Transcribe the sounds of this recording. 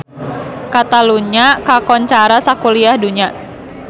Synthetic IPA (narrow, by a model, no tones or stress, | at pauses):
kat̪aluɲakakɔɲt͡ʃaɾasakuliahduɲa